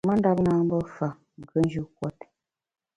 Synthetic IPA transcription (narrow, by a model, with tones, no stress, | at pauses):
mə˦n˦da˦p̚naː˦m˦bə˦fa˨ | ɡə˦n˦d͡ʒu˦k̚wɔ˦˨t